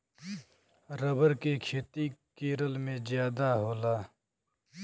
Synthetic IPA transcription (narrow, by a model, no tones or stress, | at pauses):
ɾəbəɾkekʰeːt̪ikeːɾəlmẽzjaːd̪aɦoːlaː